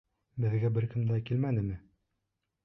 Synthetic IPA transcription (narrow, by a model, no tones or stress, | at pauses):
bɘ̆ðɡæbɘɾkɘ̆md̪ækilmænɘ̆mɘ